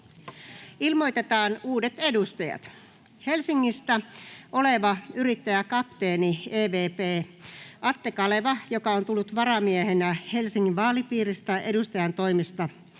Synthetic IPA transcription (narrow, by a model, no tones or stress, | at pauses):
ilmo̞jt̪e̞t̪ɑːnuːdet̪e̞dust̪ɑjɑ̰t̪ | he̞lsiŋːist̪æʔo̞le̞ʋɑyɾit̪ːæjækɑpt̪e̞ːnieːʋe̞ːpeːɑt̪ːe̞kɑleʋɑjo̞kɑont̪ulːut̪ʋɑɾɑmieɦenæhe̞lsiŋːiʋʋɑːlipiːrist̪æʔe̞dust̪ɑjɑnt̪o̞jmist̪ɑ